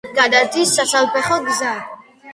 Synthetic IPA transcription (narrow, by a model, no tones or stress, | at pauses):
ɡad̪at̪ʰisasalpɛχɔɡza